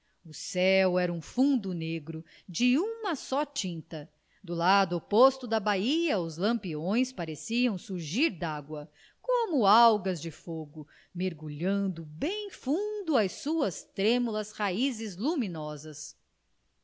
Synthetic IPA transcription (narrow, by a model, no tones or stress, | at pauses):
ʊsɛwɛɾɐũfũnd̪ʊneɡɾʊ | d͡ʒɪũmɐsɔt͡ʃĩnt̪ɐ | d̪ʊlad̪ʊopost̪ʊd̪ɐbaiɐʊzlɐ̃mpiõj̃spaɾesiɐ̃w̃suɾʒiɾd̪aɡwɐ | kõmʊawɡɐzd͡ʒɪfoɡʊ | meɾɡuʎɐ̃nd̪ʊbẽj̃fũd̪ʊɐjsuɐst̪ɾẽmulɐshaizɪzlumĩnɔzɐs